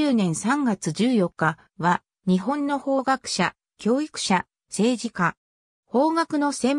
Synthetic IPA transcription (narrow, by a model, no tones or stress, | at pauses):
ɨːnẽ̞ɰ̃sãŋɡat͡sɨʑɨːjo̞kːa | βa | ɲ̟iɦõ̞nːo̞ho̞ːɡakɯ̟̥ɕa | kʲo̞ːikɯ̟̥ɕa | se̞ːʑika | ho̞ːɡakɯ̟no̞sẽ̞m